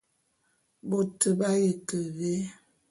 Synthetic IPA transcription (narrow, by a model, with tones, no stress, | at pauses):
bo˨tʰə˨ba˦je˨kə˨ɣe˦